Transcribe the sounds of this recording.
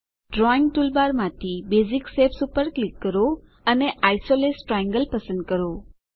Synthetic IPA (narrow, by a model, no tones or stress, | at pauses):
ɖɾɔiŋɡ̚ʈulbaɾmãt̪ʰibeziksepsupəɾklikːəɾo | əneʔajsolesʈɾajə̃ŋɡəlpəsə̃nd̪̚kəɾo